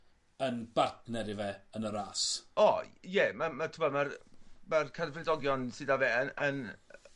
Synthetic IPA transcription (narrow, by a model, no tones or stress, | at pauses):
ənb̥atnɛɾɪvɛənəɾaːsɔjɛmamatʰəmɔmarmarkʰarvrɪdɔɡjɔnsɨdavɛənən